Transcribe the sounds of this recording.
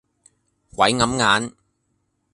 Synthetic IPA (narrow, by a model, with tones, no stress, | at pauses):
wɐ˨˥jŋɐ˨˥mŋaː˨˥n